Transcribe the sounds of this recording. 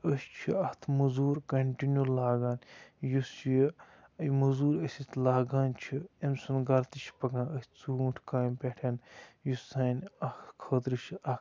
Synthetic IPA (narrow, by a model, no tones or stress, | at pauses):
əst͡ʃʰiɐht̪ʰmɐzuːɾkɐɳʈinjulaːɡaːnʲjusji | ɐjmɐzuːɾɐsʲit̪ʰlaːɡaːnʲt͡ʃʰiemsunɡɐlt̪it͡ʃʰpɐɡãːnəsʲt͡suːuʈʰkaːnʲpʲeʈʰʲɐnjusaːnʲɐhkʰət̪ɾɨʃʰɐ